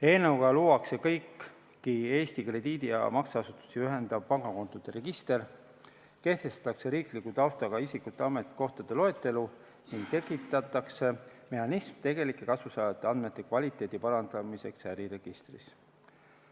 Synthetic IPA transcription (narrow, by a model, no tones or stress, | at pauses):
e̞ːneuɡ̥ɑluːwɑkse̞kɤjkː | ie̞ːst̪ikre̞d̪iːd̪̥ijɑ̰mɑksɑɑsut̪ːˑu̥siyɦe̞nd̪̥ɑb̥̚pɑŋɡ̥ɑko̞nt̪ud̪̥eɾe̞ɡ̥ist̪e̞r | ke̞ht̪e̞st̪ɑ̥t̪ːˑɑkse̞ɾiːklikut̪ɑwst̪ɑɡ̥ɑisikˑut̪ˑːe̞ɑme̞t̪ko̞ht̪ɑd̪̥e̞lo̞e̞t̪ːˑe̞lu | niŋɡ̥̚t̪e̞kːˑit̪ːˑɑt̪ːˑɑkse̞me̞hɑnismt̪e̞ɡe̞likːˑe̞kɑsvusɑːjɑt̪ːˑeɑnd̪me̞t̪ːˑe̞kvɑlʲit̪ːˑe̞ːd̪̥ipɑɾɑnd̪̥ɑmise̞ksæɾiɾe̞ɡ̥ist̪rḭs